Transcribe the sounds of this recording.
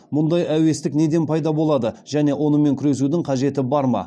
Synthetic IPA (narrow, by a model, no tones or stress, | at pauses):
mʊnd̪ɑjæwe̞st̪ɪkne̞d̪e̞npʰɑjd̪ɑbo̞lˠɑd̪əʒ̥æne̞wʔo̞nəme̞ŋkʲʰʏɾe̞s̬ud̪ɪŋqʰɑʒe̞t̪ɪbɑɾmɑ̰